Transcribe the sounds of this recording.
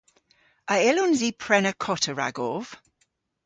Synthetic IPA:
əɪlɔnziːpʰɹɛnəkʰɔtʰəɹa̰ɡɔv̥

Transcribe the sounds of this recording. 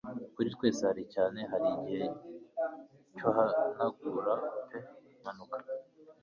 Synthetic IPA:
kuɾit̪weːsahaɾicaːne̞ɦaɾiɟihe̞ | cohanaɡuɾate | manukḁ

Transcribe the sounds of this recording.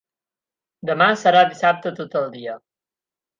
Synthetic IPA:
d̪əmasəɾaðisap̚t̪ət̪ot̪əlˠd̪iə

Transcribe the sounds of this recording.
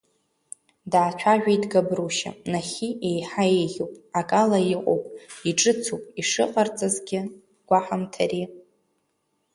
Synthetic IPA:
daːt͡ʃʷʰaʒᶣʷajdɡabruʃa̰naχʲiejħaejɣʲowpʼakʼalaiqʼo̰wpʼiʈ͡ʂʼɨt͡sʰopʼiʂɨqʼart͡sʼazɡʲɪ | ɡ̥ʷaħamtʰari

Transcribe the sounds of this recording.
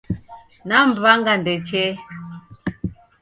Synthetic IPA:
nam̩baŋɡandet͡ʃe

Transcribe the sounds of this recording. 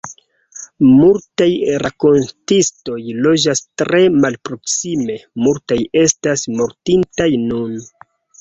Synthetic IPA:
multajɾako̞ntisto̞jlo̞d͡ʒastɾe̞malpɾo̞ksime̞multaje̞stasmo̞ɾtintajnun

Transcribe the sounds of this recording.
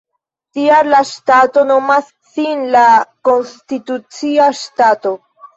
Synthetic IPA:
tiaɾlaʃtato̞no̞masːinlako̞nstitut͡siaʃtato̞

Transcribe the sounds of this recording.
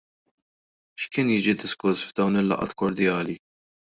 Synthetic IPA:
ʃkɪːnjɪːd͡ʒid̪ɪskʊsvd̪ɐwnɪlːɐ̰ʔɐ̰t̪kɔɾd̪jɐːli

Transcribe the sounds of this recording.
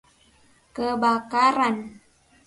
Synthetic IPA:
kəbakaɾan

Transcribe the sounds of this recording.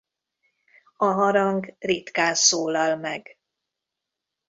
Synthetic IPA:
ɒɦɒɾɒŋɡrit̪kaːnsoːlɒlmɛɡ

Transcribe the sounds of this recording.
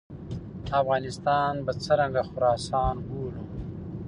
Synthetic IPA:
d̪afɣɑːnɪst̪ɑːnbat͡səɾaŋɡaxʊɾɑːsɑːnɡoːlu

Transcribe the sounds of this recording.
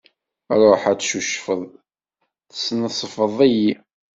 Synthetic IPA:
ɾˤoħæt͡sʃuʃfəðˤ | θə̥snəsˤəfəðˤæji

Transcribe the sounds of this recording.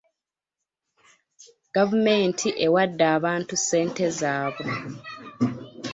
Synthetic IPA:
ɡ̥avumeːntʰiʔewadːaːβaːntuse̞ːnte̞zaːβo̞

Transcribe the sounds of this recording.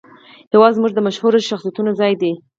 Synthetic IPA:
jawɑzmuʐd̪əmaʃhuɾoʃaxsijat̪unozɑjd̪i

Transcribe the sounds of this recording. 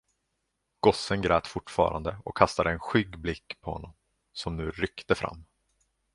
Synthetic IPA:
ɡ̥ɔsənɡɾɛːt̪fʊʈːfɑ̰ːɾa̰nd̪əɔkʰːast̪ad̪əɛnɧʏɡblɪkːpʰɔhɔ̰nːɔm | sɔmnʉ̟ːɾʏkt̪əfɾʔa̰mː

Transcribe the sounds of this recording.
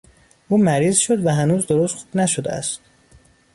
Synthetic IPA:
ʔuːmæɾiːzʃod̪væɦænuːzd̪oɾost̪xu̥b̥næʃod̪eæ̰st̪

